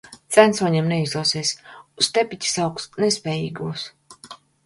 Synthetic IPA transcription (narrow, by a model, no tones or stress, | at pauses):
t̪sænsuɔɲeːmnɛizd̪ˠuɔsiːsʲust̪ɛpʲit̪ʲi̥sawksnɛspʲɛːjḭːɡuɔs